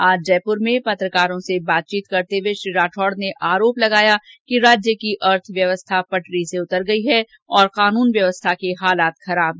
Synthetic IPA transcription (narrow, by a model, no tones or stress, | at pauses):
aːd͡ʒd͡ʒɛːpʊɾmẽpɐt̪ɾəkaːɾõsebaːt̪̚t͡ʃiːt̪kɐɾt̪eweʃɾiːɾaːʈʰɔːɽneʔaːɾoːplɐɡaːjakiɾaːd͡ʒjəkiʔɐɾt̪ʰʋjɐʋəst̪ʰapɐʈɾiseʊt̪əɾɡɐiɦɛ | ɔːɾqaːnuːnʋjɐʋəst̪ʰakeɦaːlaːt̪xɐɾaːb̚ɦ